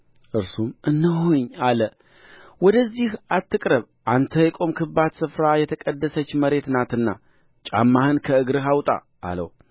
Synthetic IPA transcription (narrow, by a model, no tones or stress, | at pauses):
ʔɨɾsumʔɨnːɨɦuɲːalə | wɔd̪əzːihat̪ːɨkʼɾəβ | ʔant̪ʰəjɛkʼo̞mkʰɨbad̪sɨfɾajɛt̪ʰəkʼəd̪ːəsət͡ʃːməɾe̞t̪nat̪ɨnːa̰ | t͡ʃʼa̰mːahɨnkʰəɨɡɾɨɦawt̪ʼa̰ːlə̰w